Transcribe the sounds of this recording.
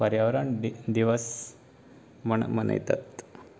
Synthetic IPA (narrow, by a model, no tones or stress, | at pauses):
pəɾjaʋɾaɳd̪iʋəs | məɳmənə̰jt̪a̰t̪